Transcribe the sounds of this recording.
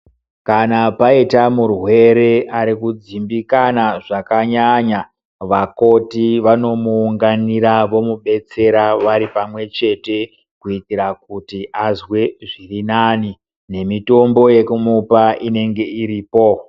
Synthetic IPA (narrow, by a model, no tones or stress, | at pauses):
kanapaitamurwe̞ɾe̞aɾikud͡zimbikanaʐakaɲaɲa | ʋako̞tiʋano̞muːŋɡaniɾaʋo̞muɓe̞t͡se̞ɾaʋaɾipamwe̞t͡ʃe̞te̞ | kuitiɾak̚utiʔazweʐirinani | ne̞mito̞mbo̞je̞kumupaʔine̞ŋɡe̞iɾiːpo̞